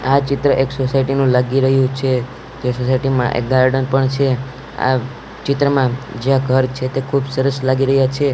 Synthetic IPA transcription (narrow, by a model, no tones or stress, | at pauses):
at͡ʃɪt̪ɾəʔeksosajʈinũlaɡiɾəɦjũt͡ʃʰe | d͡ʒesosajʈimã̰ʔḛk̚ɡaɾɖənpəɳt͡ʃʰe | a̰ | t͡ʃɪt̪ɾəmãd͡ʒãɡʱəɾt͡ʃʰet̪ekʰubsəɾəslaɡiɾəɦjat͡ʃʰe